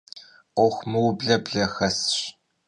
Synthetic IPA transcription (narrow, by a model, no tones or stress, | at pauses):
ɔxʷmɨwbɮɐbɮɐxɐsɕ